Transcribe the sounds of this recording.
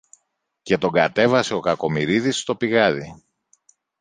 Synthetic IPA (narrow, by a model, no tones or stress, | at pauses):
ce̞t̪o̞ɡɐt̪e̞vɐseo̞kɐko̞miɾiðist̪o̞piɣɐði